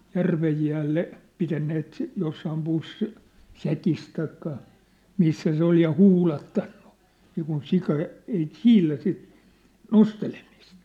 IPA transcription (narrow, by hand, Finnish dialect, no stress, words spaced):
jærʋej jæːlːe pitænːeːt josːɑːm pusːĭs sækis tɑikːɑ misːæ se ol jɑ huːlɑtːɑnn̥u̥ niːkun sikɑ ei siːlæ sit nostelemist